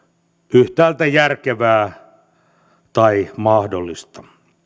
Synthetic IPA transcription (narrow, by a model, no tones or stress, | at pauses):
yht̪æːlt̪æjærkeʋæː | t̪ɑimɑhdolːist̪ɑ̥